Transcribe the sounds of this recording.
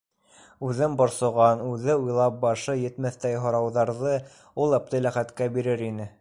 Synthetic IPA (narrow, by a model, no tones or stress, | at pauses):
ʉðɘmbŏɾsŏʁɑnʉðɘujlˠɑp̚bɑʃɤjɘ̆t̪mæθt̪æjɦŏɾɑwðɑɾðɤ | ulˠɑp̚t̪ɤjlæχæt̪kæbiɾɘɾinɘ